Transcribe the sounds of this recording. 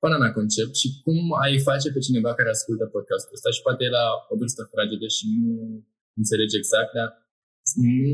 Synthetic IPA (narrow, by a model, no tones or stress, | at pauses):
pɨnamako̞nt͡ʃe̞p̚t̪ʃikumajfat͡ʃe̞pe̞t͡ʃine̞vakaɾe̞askult̪əpo̞d̪̚kast̪uləst̪aʃi̥pat̪ejlaobɾst̪at̪ɾad͡ʒed̪eʃinu | ɨnt̪se̞le̞d͡ʒe̞ɡz̥ak̚t̪̚d̪a | nu